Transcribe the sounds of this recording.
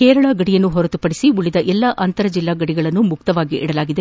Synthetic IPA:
kɛːɾɐɭɐɡɐɽijɐnːuɦɔɾɐt̪upɐɽisiuɭid̪ɐʔɛlːɐʔɐnt̪ɐɾɐd͡ʒilːaːɡɐɽiɡɐɭɐnːumuk̚t̪ɐʋaːɡiʔɛ̰ɽɐlaːɡid̪e

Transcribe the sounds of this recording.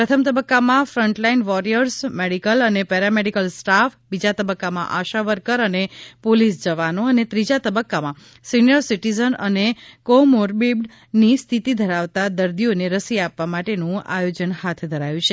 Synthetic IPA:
pɾət̪ʰəmt̪əbəkːamãfɾəɳʈlainʋɔɾijəɾsmeɽikələnepɛɾameɽikəlsʈafbid͡ʒat̪əbəkːamã̰ʔaʃaʋəɾkəɾənepolisd͡ʒəʋanoənet̪ɾid͡ʒat̪əbəkːamã | sinijəɾsiʈizənənekomoɾbibɖ | nist̪ʰit̪id̪ʱəɾaʋt̪ad̪əɾd̪ioneɾəsiapʋamaʈenũa̰jod͡ʒənhat̪ʰd̪ʱəɾajũt͡ʃʰe

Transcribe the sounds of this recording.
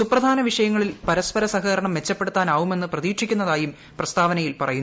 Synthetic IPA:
suprɐd̪ʱaːnɐʋiʂɐjɐŋːɐɭilpɐɾɐspɐɾɐsɐɦɐɾɐɳɐmʋe̞t͡ɕːɐpːeɽut̪ːaːnaːɣume̞nːɨprɐðiːkʂikʲːunːɐðaːjum | prɐst̪aːʋɐnɐjilpɐrɐjunː

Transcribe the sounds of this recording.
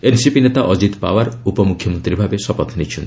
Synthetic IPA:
ensipinet̪aʔɔd͡ʒit̪pa̰baɾupɔmukʰjɔmɔnt̪ɾibʱabesɔpɔt̪ʰnit͡ʃʰun

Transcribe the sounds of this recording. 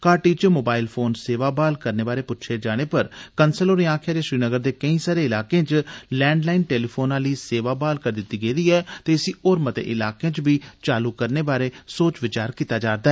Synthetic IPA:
kaːʈiːt͡ʃmoːbaːɪlpʰoːnseːʋaːbaːlkəɾneːbaːɾeːpʊtːʃʰeːd͡ʒaːɽ̃eːpəɾkənsəloːɾĩãːkʰjaːd͡ʒeːʃɾiːnəɡəɾd̪eːkəĩːsaːɾeːɪlaːkẽːt͡ʃlɛ̃ːɳɖlaːiːnʈeːliːpʰoːnãːliːseːʋaːbaːlkəɾd̪ɪt̪ːiːɡeːd̪iːɛːt̪eːəsĩːoːɾmət̪ḛːʔɪlaːkẽãːt͡ʃbiːt͡ʃaːluːkəɾneːbaːɾeːsoːt͡ʃʋɪt͡ʃaːɾkiːt̪aːd͡ʒaːɾd̪aːɛ

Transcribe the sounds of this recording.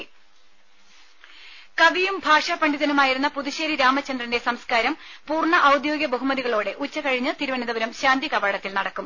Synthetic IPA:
kɐʋijumbʱaːʂɐpɐɳɖiðɐnumaːjiɾunːɐpuðiɕeːɾiɾaːmɐt͡ɕːɐnd̪rɐnde̞sɐmskaːɾɐmpuːrɳɐʔɐwd̪jo̞ːɡjɐbɐɦumɐðiɣɐɭoːɽe̞ʔut͡ɕːɐkɐɻiɲːɨt̪iɾuʋɐniðɐʋɐɾɐmɕaːnd̪ikɐbaːɽɐt̪ːilnɐɽɐkːum

